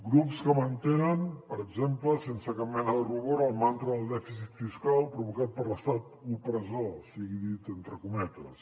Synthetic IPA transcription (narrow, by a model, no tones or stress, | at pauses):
ɡɾupskəmənt̪enənpəɾəɡzempləsensəkammɛnəðəruβoɾəlˠmant̪ɾuðəlˠd̪ɛfis̬it̪fiskalˠpɾuβukat̪̚pəɾləst̪at̪upɾəzosiɣiðit̪ent̪ɾəkumɛt̪ə̰s